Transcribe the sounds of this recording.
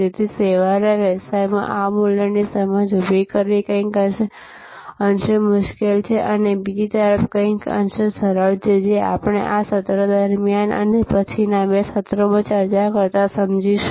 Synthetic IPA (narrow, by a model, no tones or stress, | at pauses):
it̪ʰiseʋaɾaʋəsajmã̰ʔamuljənisəməd͡ʒubʱikəɾikə̃kəʃe | ənʃəmʊʃkelt͡ʃʰeʔənebid͡ʒit̪əɾəfkə̃ɪ̃kə̰nʃəsəɾəɭt͡ʃʰed͡ʒea̰pəɽ̃ḛʔasət̪ɾəd̪əɾmijanʔə̰nepət͡ʃʰinabesət̪ɾomə̃t͡ʃəɾt͡ʃakəɾt̪asəmd͡ʒiʃ